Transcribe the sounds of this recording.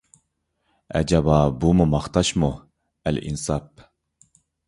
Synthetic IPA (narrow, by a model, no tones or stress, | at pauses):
ɛ̰d͡ʒabɑːbumumɑχt̪ɑʃmu | ælḭnsɑp̚